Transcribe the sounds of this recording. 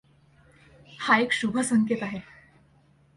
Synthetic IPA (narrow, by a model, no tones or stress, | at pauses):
haekɕubʱəsəŋket̪aɦe